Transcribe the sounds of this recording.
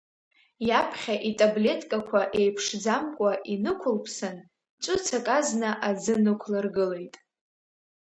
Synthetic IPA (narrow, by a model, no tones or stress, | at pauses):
japʰχʲaʔitʼable̞tʼkʼakʷʰaʔe̞jpʰʂd͡zamkʷʼaʔinɨkʷʰʊlpʰsɨn | t͡ʃʷʼʊt͡sʰakʼaznɨʔad͡zɨnɨkʷʰlarɡɨle̞jtʼ